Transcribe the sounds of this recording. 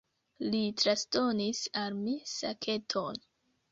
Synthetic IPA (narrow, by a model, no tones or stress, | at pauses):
litɾasto̞nisalmisa̰kʰe̞tʰo̞n